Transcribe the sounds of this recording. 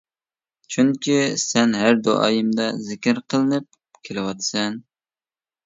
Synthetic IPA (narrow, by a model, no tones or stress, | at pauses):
t͡ʃʰyŋkʲisɛnɦæɾd̪o̰ʔɑ̰ːjɨmd̪ɑzɪkʲɪɾqʰəlˠɨnɨp̚ | kʲʰelɪwɑt̪sɛn